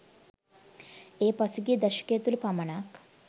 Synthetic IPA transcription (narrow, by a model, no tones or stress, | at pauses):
epasuɡiːd̪əɕə̥ket̪uːlpaməɳak